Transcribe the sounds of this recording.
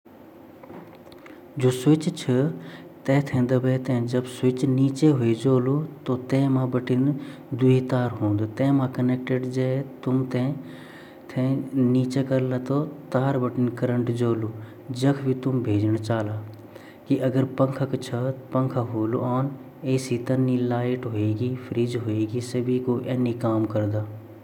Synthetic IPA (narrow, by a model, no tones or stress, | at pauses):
d͡ʒoːsʊt͡ʃt͡ʃʰɐt̪ẽːt̪ʰẽːnd̪ɐbʱeːt̪ẽd͡ʒɐbsʊt͡ʃniːt͡ʃeɦʊed͡ʒoːlut̪oːt̪ẽːmãːbɐʈɪn | d̪uɦit̪aːɾɦõːnd̪ut̪ẽːmãːkɐneːk̚ʈeɖd͡ʒeːt̪ʊmt̪ẽ | t̪ʰẽniːt͡ʃekəɾlaːt̪ot̪aːɾbəʈɪnkəɾəɳʈd͡ʒoːluː | d͡ʒɐkʰbʱit̪ʊmbʱeːd͡ʒnt͡ʃaːlaː | kiʔɐɡəɾpə̃ŋkʰakt͡ʃʰɐpɐ̃ŋkʰaɦoːlṵaːn | eːsit̪ɐnːilaːɪʈɦoeːɡipʰɾiːd͡ʒɦoeːɡisəbʱikoʔɛːnikaːmkɐɾd̪aː